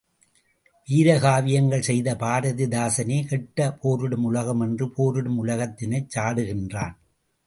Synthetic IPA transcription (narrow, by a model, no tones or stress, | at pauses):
ʋiːɾɐɣaːʋɪjɐŋɡɐɭsɛjðɐpaːɾɐðɪd̪aːsɐneːkɛʈːɐpʰoːɾɯɽɯmʊlɐɣɐmɛndrɯpʰoːɾɯɽɯmʊlɐɣɐt̪ːɪnɐɪt͡ʃːaːɽɯɣɪndra̰ːn